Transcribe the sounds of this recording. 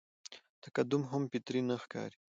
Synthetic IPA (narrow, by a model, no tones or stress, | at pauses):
t̪ḁkad̪ʊmɦampɪt̪ɾinəxkɑ̰ːɾi̥